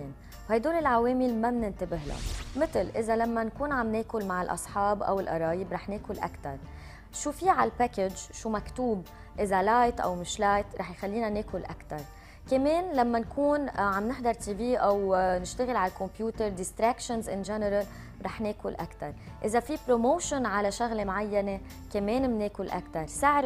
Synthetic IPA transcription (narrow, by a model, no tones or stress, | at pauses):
eːn | hajd̪oːlɪlʕaweːmɪlmabnɪnt̪abɪɦla̰mɪt̪ɪlʔɪzalamːankuːnʕamneːkʊlmaʕɪlʔɑ̰sˤħɑːbʔa̰wɪlʔɑ̰ɾˤɑːjɪbɾɑːħneːkʊlʔa̰kt̪ɑ̰ɾˤ | ʃuːfiʕalpaːkɪd͡ʒd͡ʒʃumakt̪uːb | ʔɪzalajt̪ʔa̰wmɪʃlajt̪ɾˤɑːħjxalːiːnaneːkʊlʔakt̪ɑɾˤ | kameːnlamːankuːnʕamnɪħd̪ɑɾˤt̪iːbiːʔawnɪʃt̪aɣɪlʕaalkɔ̃mpjuːt̪əɾˤd̪ɪst̪ɾakʃɔnzʔɪnʒɛnəɾal | ɾˤɑːħneːkʊlʔakt̪ɑɾˤʔɪzafipɾomoːʃʊnʕalaʃaɣlemʕajːane | kameːnmneːkʊlʔa̰kt̪ɑɾˤsɪʕɾ